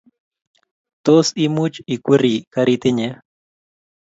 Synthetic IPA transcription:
t̪osimut͡ʃikʷiɾikaɾit̪ɪɲe

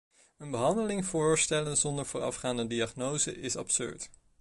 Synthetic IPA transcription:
ənbəɦɑndəlɪŋvʊːɹstɛlənzɔndəɹvʊːɹɑ̰fχaːndədiɑχnowzə̰ʔɪsɑ̰psø̰ɹt

